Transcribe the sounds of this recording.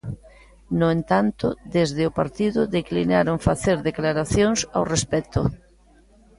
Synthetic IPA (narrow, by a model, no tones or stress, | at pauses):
nʊent̪ant̪ʊðezðɪʊpaɾt̪iðʊðeklinaɾoŋfaθeɾðeklaɾaθjoŋsa̰wrespɛt̪ʊ